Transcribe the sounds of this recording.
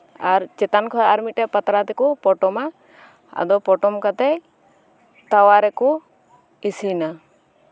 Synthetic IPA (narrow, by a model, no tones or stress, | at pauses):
aɾt͡ʃɛt̪ankʰɔaɾmiʈɛʔpat̪ɾat̪ɛkɔpɔʈɔma | a̰d̪ɔpɔʈɔmkat̪ɛ | t̪awaɾɛkɔ | isina